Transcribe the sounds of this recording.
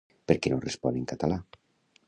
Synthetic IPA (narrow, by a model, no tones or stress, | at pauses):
peɾkenorespɔneŋkat̪ala